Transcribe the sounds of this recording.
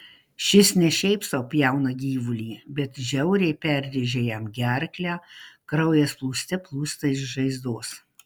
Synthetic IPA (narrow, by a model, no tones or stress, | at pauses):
ʃʲɪsnʲɛʃʲɛɪpsoːpʲjɛˑʊnɐɡʲiːʋʊlʲiːbʲɛt̪ʒʲɛʊɾʲɛɪpʲɛɾʲd̪ʲɪʒʲeːjɛmɡʲɛɾʲklʲæːkɾɐʊjeːsplˠuːsʲt̪ʲɛplˠuːst̪ɐɪʃʒɐɪzd̪oːs